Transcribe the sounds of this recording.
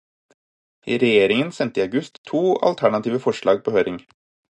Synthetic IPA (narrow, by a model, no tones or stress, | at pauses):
iːɾɛjeːɾɪŋənsɛnt̪əiɑʉɡʉst̪ʰːuːɑ̰lt̪ʰæɳɑt̪ʰiːʋəfɔʂɭɑːɡ̚pʰoːhøːɾɪŋ